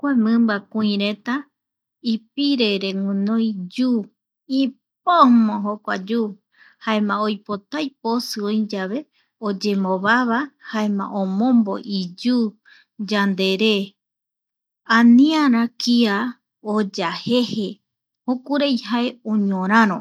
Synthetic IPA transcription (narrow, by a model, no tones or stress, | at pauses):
kʷamɨ̃mbakũĩɾẽt̪a | ip̚iɾeɾeŋũnõjd͡ʒu | i | p̚omõɦokʷa̰d͡ʒu | haemãojpot̪ajp̚osɨõid͡ʒaβe̞ | od͡ʒemoβaβahaemã̰ʔõmõmbo̰ʔid͡ʒu | d͡ʒand̪eɾe | ãnĩãɾãkia | od͡ʒahehe | hokuɾejhaeoɲõɾ̃ãɾõ